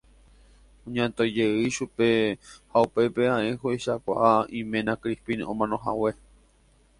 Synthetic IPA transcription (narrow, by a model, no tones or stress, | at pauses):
õɲãnt̪ojd͡ʒeɨʃupe̞haupe̞peãeɦoiʃakʷa̰ʔaĩmẽnãkɾipinõ̰mãnõɦa̰we̞